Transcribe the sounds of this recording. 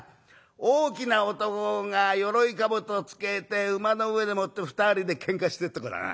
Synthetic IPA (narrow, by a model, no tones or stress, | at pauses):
oːkʲinaot̪o̞koŋajo̞ɾo̞ikabɯ̟t̪ot͡sɨ̥ke̞t̪e̞ɯ̟mano̞ɯ̟e̞d̪e̞mo̞t̪ːeɸɯ̥t̪aɾʲid̪e̞kʰẽ̞ŋkaɕi̥t̪et̪ːakoɾa̰a̰